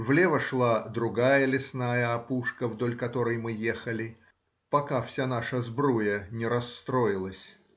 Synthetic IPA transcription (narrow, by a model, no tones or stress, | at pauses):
vlʲevəʂlˠad̪ɾʊɡajəlʲɪsnajəɐpuʂkəvd̪o̞lʲkɐt̪o̞ɾəjmɨjexəlʲɪ | pɐkafsʲan̪aʂəzbɾujənʲɪɾɐsːt̪ɾojɪlˠəsʲ